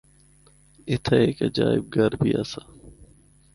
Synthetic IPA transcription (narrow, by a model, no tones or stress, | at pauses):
ɪt̪ʰeeːkəd͡ʒaːɪ̰b̚ɡəɾbʱiːa̰saː